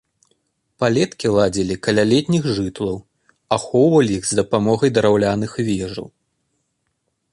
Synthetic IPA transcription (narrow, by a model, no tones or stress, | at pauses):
palʲɛt̪kʲilˠad͡zʲilʲikɐlʲalʲɛt̪ʲnʲixʐɨt̪lˠɐw | axɔwvɐlʲiiɣzd̪ɐpamɔɣɐjd̪ɐɾawlʲanɨxvʲɛʐɐ̰w